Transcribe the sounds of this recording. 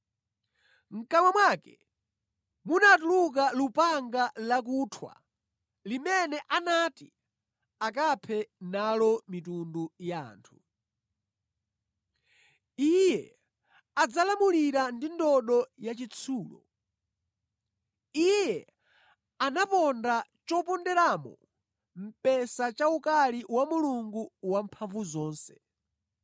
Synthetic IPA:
ŋ̩kamwamwakɛ | munatuluk̬alupaŋɡalak̬utʰwa̰ | limɛnɛʔanati | ak̬apʰɛnalɔmitunduja̰ːntʰu | ijɛ | ad͡zalamuliɾandindɔɗɔjat͡ʃit͡sʰuːlɔ̰ | ijjɛ | anapɔndat͡ʃɔpɔndɛɾamɔ̰ | m̩pɛsat͡ʃaukaliwamuluŋɡuwampʰaɱvuzɔːnsɛ̥

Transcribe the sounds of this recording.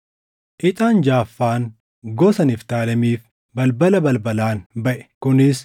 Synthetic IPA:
ʔɪt̪ʼaːnd͡ʒaːfːaːn | ɡɔsɐnɪft̪aːlɐmiːf | bɐlbɐlɐbɐlbɐlaːnbɐʔɛ̥kʊnɪs

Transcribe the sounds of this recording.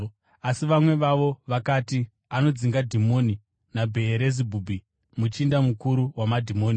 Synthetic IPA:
asiʋamwe̞ʋaʋo̞ʋakaːti | ano̞d͡ziŋɡadʱimo̞ːni | nabʱe̞ːɾe̞zibʱubʱi | mut͡ʃiːndamukuɾuwamadʱimo̞ːni

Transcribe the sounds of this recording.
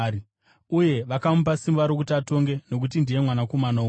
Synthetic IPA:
uje̞ʋakamup̬asimbaɾok̬utiato̞ŋɡe̞no̞k̬utindije̞mwanako̞manau

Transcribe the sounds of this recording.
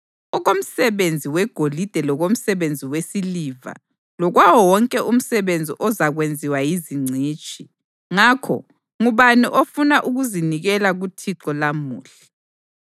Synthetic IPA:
ɔɣom̩sɛβend͡zʱiwɛɡ̥ʱolid̥ʱɛlɔɣom̩sɛβend͡zʱiwesiliva̰ | lɔɣwawɔwɔŋkʼɛʔum̩sɛβend͡zʱiʔɔzaɣwend͡zʱiwajiziŋ͡ǀʱiːt͡ʃʼʰi | ŋakʰɔ̰ | ŋuβaniʔofunaʔuɣuziniɣɛlaɣutʰiǁɔlamuːɬḁ

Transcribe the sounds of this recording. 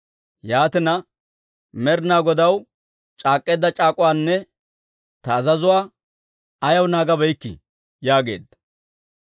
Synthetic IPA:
jaːt̪ɛnɐ | mɛɾnaːɡɔd̪ɐw | t͡ʃʼaːkʼːe̞ːd̪ːɐt͡ʃʼaːkʼʊwaːnːɛ | t̪ɐːzɐzʊwaː | ɐjɐwnaːɡɐbɛjkːɪ̰ | jaːɡe̞̰ːd̪ɐ

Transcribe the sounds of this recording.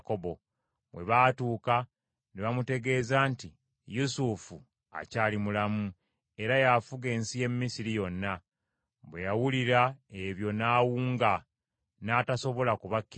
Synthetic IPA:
koβo | βwe̞̰βatuːka | neβamute̞ɡe̞ːzaːnti | jusufu | a̰caːlimulamu | e̞ɾajafuɡe̞ːnsije̞mːisiɾijo̞nːa | βwejawuliɾae̞βjo̞naːwuːŋɡa | naːtaso̞βo̞lakuβakːi

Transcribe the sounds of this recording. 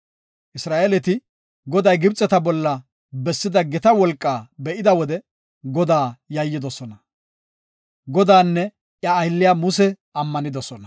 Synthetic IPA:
ʔɪsɾaːʔɛlɛt̪ɪ | ɡɔd̪ɐjɡɪbt͡sʼːɛt̪ɐbɔlːɐ | bɛsːɪd̪ɐɡɛt̪ɐwɔlkʼːaːbɛʔɪd̪ɐwɔd̪ɛ | ɡɔd̪aːjɐjːɪd̪ɔsɔnɐ | ɡɔd̪aːnːɛ | ʔjɐːjɪlːɪjaːmʊsɛ | ɐmːɐnɪd̪ɔsɔnɐ

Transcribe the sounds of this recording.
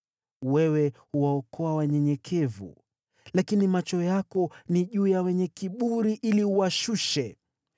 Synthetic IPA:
wɛwɛhuwaɔkʰɔawaɲɛɲɛkʰɛvṵ | lakinimat͡ʃɔjakɔniʄuːjawɛɲɛkiɓuɾiʔiliuwaʃuʃɛ

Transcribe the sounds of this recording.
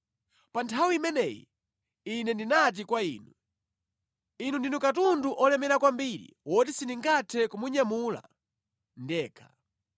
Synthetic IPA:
pantʰawiimɛnɛjḭ | inɛndinat̬ikwaḭːnu | inundinukatunduʔɔlɛmɛɾakwambiɾḭwɔt̬isiniŋɡatʰɛkumuɲamula̰ | ndɛːkʰḁ

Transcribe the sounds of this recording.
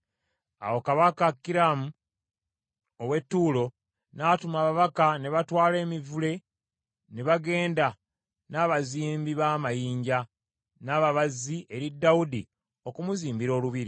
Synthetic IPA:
a̰wo̞kaβakakːiɾamu | owe̞tːuːlo̞ | natumaːβaβakane̞βatwaːle̞ːmivule̞ | ne̞βaɡe̞ːnda | naːβaziːmbiβaːmajiːɲɟa | naːβaβazie̞ɾidːaudḭ | o̞kumuziːmbiɾo̞ːluβiɾi

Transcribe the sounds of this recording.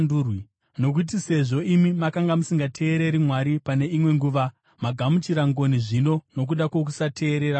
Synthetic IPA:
nduːrwi | no̞k̬ut̬ise̞ʐo̞ʔimimakaŋɡamusiŋɡatʰe̞ːɾe̞ɾimwaɾipane̞imwe̞ŋɡuːʋa | maɡʱamut͡ʃiɾaŋɡo̞niʐino̞no̞k̬uɗako̞k̬usatʰe̞ːɾe̞ɾa

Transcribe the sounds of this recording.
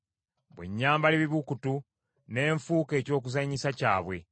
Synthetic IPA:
βwḛɲːaːmbaleβiβukutu | ne̞ːɱfuːke̞ːco̞ːkuzaɲisacaːβwe̞̰

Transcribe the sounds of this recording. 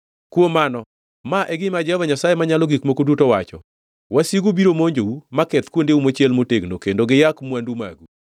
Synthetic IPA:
kwomanɔ | maʔɛɡɪmad͡ʒɛvaɲasajemaɲalɔɡikmokodutowat͡ʃɔ̰ | wasiɡubiɾomoɲd͡ʒowumakɛt̪kwondeumot͡ʃjɛlmoteɡnokendoɡɪjakmwanduma̰ɡu

